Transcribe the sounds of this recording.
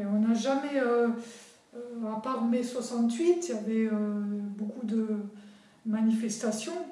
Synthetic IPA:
ɔ̃naʒamɛø | øapaʁmɛswasɑ̃t̪ɥit̪ijavɛøbokud̪ə | manifɛst̪asjɔ̃

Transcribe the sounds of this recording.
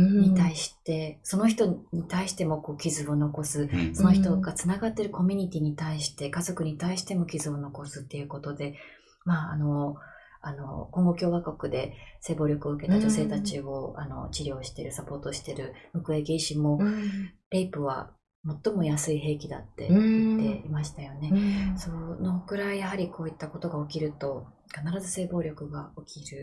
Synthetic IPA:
ɲ̟it̪aiɕi̥t̪e̞so̞no̞çi̥t̪o̞ɲ̟it̪aiɕi̥t̪e̞mo̞ko̞ːkʲizɨo̞no̞ko̞sɨso̞no̞çit̪o̞ɡat͡sɨnaɡat̪ːe̞ɾɯ̟ko̞mʲiɲ̟it̪ʲiɲ̟it̪aiɕi̥t̪e̞kazo̞kɯ̟ɲ̟it̪aiɕi̥t̪e̞mo̞kʲizɨo̞no̞ko̞sɨ̥t̪ːe̞jɯ̟ko̞t̪o̞d̪e̞ | maːno̞ | ano̞̰koŋɡo̞kʲo̞ːβakokɯ̟d̪e̞se̞ːbo̞ːɾʲo̞kɯ̟o̞ɯ̟ke̞t̪ad͡ʑo̞se̞ːt̪at͡ɕio̞a̰no̞̰t͡ɕiɾʲjo̞ːɕi̥t̪e̞ɾɯ̟sapo̞ːt̪o̞ɕi̥t̪e̞ɾɯ̟mɯ̟kɯ̟e̞ɡʲiɕimo̞ | ɾeipɯ̟βa̰ | mo̞t̪ːo̞mo̞jasɨiɦe̞ːkʲid̪a̰t̪ːe̞̰it̪ːe̞imaɕi̥t̪ajo̞ne̞sono̞kɯ̟ɾaijaɦaɾʲikʰo̞ːit̪ːako̞t̪o̞ɡaokʲiɾɯ̟t̪o̞ | kanaɾazɨse̞ːbo̞ːɾʲo̞kɯ̟ɡao̞kʲiɾɯ̟

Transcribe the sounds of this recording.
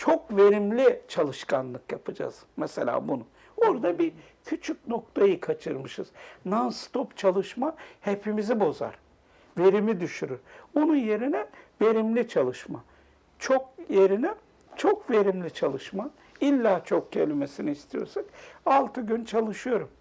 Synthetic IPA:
t͡ʃʰo̞kve̞ɾimlʲit͡ʃʰalˠɯʃkʰanlˠɯkjapʰɯd͡ʒa̰z̥mɛse̞lʲa̰ːbunu | oɾd̪abi | cʰyt͡ʃʰyk̚no̞k̚t̪ʰajɯkʰat͡ʃʰɯɾmɯʃɯ̰z̥nanst̪ʰopt͡ʃʰalˠɯʃmahe̞pʰimizibo̞za̰ɾ | ve̞ɾimid̪yʃyɾyɾonunje̞ɾinɛve̞ɾimlʲit͡ʃʰalˠɯʃma | t͡ʃʰo̞kje̞ɾinɛ | t͡ʃʰo̞kve̞ɾimlʲit͡ʃʰalˠɯʃma | ilʲːaːt͡ʃʰo̞k̚ɟʰelʲime̞siniːst̪ʰijo̞̰ɾsakalˠt̪ʰɯɟynt͡ʃʰalˠɯʃɯjo̞ɾum

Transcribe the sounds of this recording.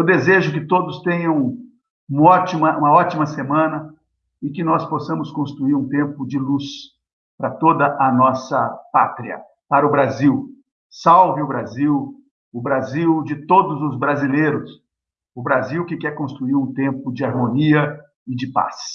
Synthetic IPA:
wd̪ezeʒʊkɪt̪od̪ʊst̪ẽɲɐ̃w̃ | ũmɐɔt͡ʃimɐʔũmɐɔt͡ʃimɐsemɐ̃nɐ | ɪkɪnɔsposɐ̃mʊskõst̪ɾuiɾũt̪ẽmpʊd͡ʒɪlus | pɾɐt̪od̪ɐʔɐnɔsɐpa̰t̪ɾiɐ̰ | paɾɐʊbɾaziw | sawvɪʊbɾaziw | ʊbɾaziwd͡ʒɪt̪od̪ʊzʊzbɾazileɾʊs | ʊbɾaziwkɪkɛɾkõst̪ɾuiɾũt̪ẽmpʊd͡ʒɪaɾmõniɐ | ɪd͡ʒɪpa̰s

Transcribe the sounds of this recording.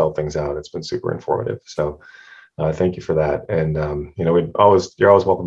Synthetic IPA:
ɛl̚ˠθɪ̃ŋzaʊɾɨtsb̥ɨ̃n̩sʉpə̰˞ɨ̰̃ɱfɔ̰ɹmɨ̰ɾɪ̰v̥soʊ | ʌθæ̃ŋkjɨfə˞ðæt̚ɨ̃nʌ̃mjɨñoʊwidɔlˠwizjə˞ɔlˠwizwɛlˠkə̃m

